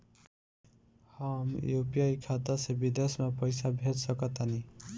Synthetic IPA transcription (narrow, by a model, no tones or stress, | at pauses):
hamjopiajkʰat̪ʌsebid̪esmapʌjsabʱetsʌkʌt̪ani